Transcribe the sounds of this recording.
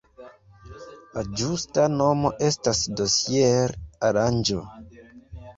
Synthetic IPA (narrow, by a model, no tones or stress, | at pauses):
lad͡ʒustano̞mo̞ʔe̞stasdo̞sjeɾaɾand͡ʒo̰